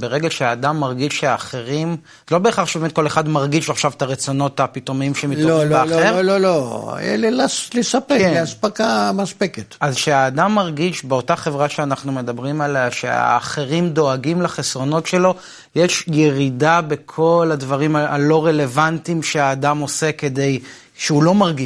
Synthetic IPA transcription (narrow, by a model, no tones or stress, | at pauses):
be̞ʁeɡelʃeaːdamːaʁɡiʃʃeaːχeʁim | zelo̞beːχaχʃebemet̚ko̞leχadmaʁɡiʃaχʃavtaʁet͡so̞no̞thapitomimʃemiloimlbealelolo̰jɛ̰lelaslesapekeleaspakamaspeketazʃeaːdamːaʁɡiʃbeo̞taχe̞vʁaʃeanaχnume̞dabʁimaleaʃḛa̰ːχeʁimdo̞aɡimlaχesʁo̞no̞tʃe̞lo̞ | jeʃjeʁidabe̞kʰo̞ladvaʁimaa̰lo̞ʁe̞le̞vantimʃeaːdamo̞se̞ke̞de̞j | ʃeulo̞maʁɡi